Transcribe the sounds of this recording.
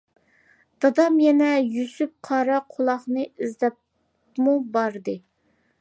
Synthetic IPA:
d̪̥ɑd̪ɑmjɛnɛjysyp̚qʰɑɾɑqʰolˠɑχnɨizd̪ɛp̚ | mubɑɾd̪ɨ

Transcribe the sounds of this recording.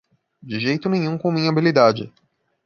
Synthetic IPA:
d͡ʒɪʒejt̪ʊnẽj̃ũkõw̃mĩɲɐabilid̪ad͡ʒɪ̰

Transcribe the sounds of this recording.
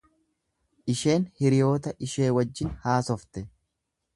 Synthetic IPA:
ʔɪʃe̞ːnhɪɾɪjo̞ːt̪ɐʔɪʃe̞ːwɐd͡ʒːɪnhaːsɔft̪ɛ

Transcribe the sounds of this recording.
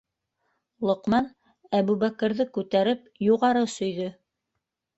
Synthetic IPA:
lˠŏqmɑn | æβʉβækɘ̆ɾðɘkʉt̪æɾɘp | juʁɑɾɤsɵ̆jðɵ

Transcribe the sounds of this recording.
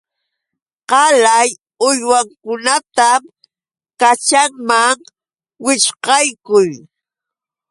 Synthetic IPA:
qɑlaj | ʊjwaŋkʊnat̪am | kat͡ʃaŋmaŋ | wɪʃqɑjkʊj

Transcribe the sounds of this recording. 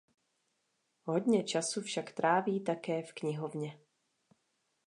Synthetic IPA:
ɦo̞dɲɛt͡ʃasufʃakt̪ɾʔaːviːt̪akɛːfkɲɪɦovɲɛ

